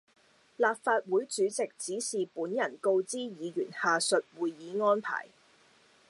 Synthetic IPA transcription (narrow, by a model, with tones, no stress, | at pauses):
laː˨p̚faː˧t̚wuː˨˥jt͡ʃyː˨˥t͡sɪ˨k̚t͡siː˨˥siː˨puː˨˥njɐ˨˩nko˧wt͡siː˥jiː˨˧jyː˨˩nhaː˨sɵ˨t̚wuː˨jːiː˨˥ŋɔː˥npʰa̰ː˨˩j